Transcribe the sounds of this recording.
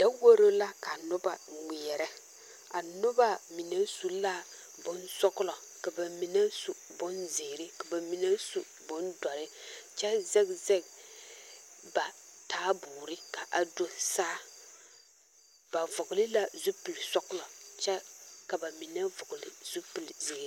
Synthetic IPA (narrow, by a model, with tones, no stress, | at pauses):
d̥a˦wo˦ɾo˦la˦ka˨nʊ˦ba˨ŋ͡mi˨ɛ˨ɾɛ˦ | a˨nʊ˦ba˦mi˨nɛ˦su˦la˦˨ | bʊ˦nsɔ˦kʊ˦lɔ˨ | ka˨ba˨mi˨nɛ˦su˨bʊ˦nzɪː˨ɾɪ˦ka˨ba˨mi˨nɛ˦su˦˨ | bʊ˦nda˨ɾɪ˦t͡ʃɛ˦zɛ˦kzɛ˦k | ba˨taː˦buː˨ɾɪ˦ka˨ʔa˨do˦saː˦˨ | ba˨vʊ˨kʊ˨lɪ˦la˦zu˦pɨ˨lsɔ˦kʊ˦lɔ˨t͡ʃɛ˦ka˨ba˨mi˨nɛ˦vʊ˨kʊ˨lɪ̰˨z̥u˦pɨ˨lzɪː˨ɾ